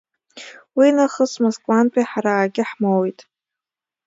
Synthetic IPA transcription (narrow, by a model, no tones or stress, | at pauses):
winaχəsmazkʼanpʼiħaɾaːɡʲɪħmowejtʼ